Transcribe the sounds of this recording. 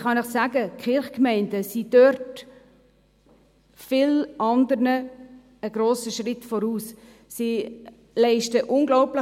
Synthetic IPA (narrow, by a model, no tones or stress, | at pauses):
χɑnɪχsæːɡəkʰχɪɾχkmɛɪndəsid̥øɾt | fɪlʔɑndəɾnə | əɡɾoːsəʃrɪtfɔɾuːs | si | lɛɪʃtəʔʊnɡlɔʊplɪ